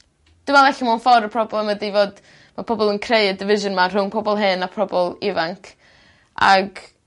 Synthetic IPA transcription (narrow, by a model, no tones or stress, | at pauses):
d̥ɪmalˠɛɬamanfɔɾəpʰrɔblˠɛmədivoːd | mapʰɔbɔlˠənkʰrejədɪvɪʒʊnmar̥ʊnpʰɔbɔlˠɦɨnapʰrɔbɔlˠɪvaŋkʰ | a̰ɡ